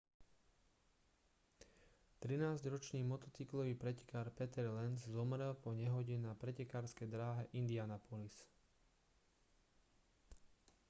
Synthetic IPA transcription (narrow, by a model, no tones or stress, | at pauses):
t̪ɾinaːzɟɾɔt͡ʃniːmɔt̪ɔt͡siklɔʋiːpɾɛcɛ̥kaːɾpɛt̪ɛɾlɛnzzɔmɾɛlpɔɲɛɦɔɟɛnapɾɛcɛkaːɾskɛjd̪ɾaːɦɛʔind̪ianapɔlis